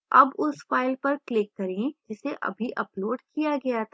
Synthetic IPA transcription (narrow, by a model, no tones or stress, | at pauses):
ɐbʊsfaːɪlpɐɾklɪkːɐɾẽd͡ʒɪseʔɐ̰bʱiʔɐploːɖkijaɡɐjat̪ʰa